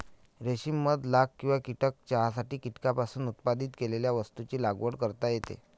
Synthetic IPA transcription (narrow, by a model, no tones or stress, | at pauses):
ɾeɕimːəd̪lakkːĩw̃ʋakiʈək̚t͡ɕaɦasaʈiːkiʈkapasuːnut̪pad̪it̪keleljaʋəst̪ut͡ɕiːlaɡʋəɽkəɾt̪ajet̪ḛ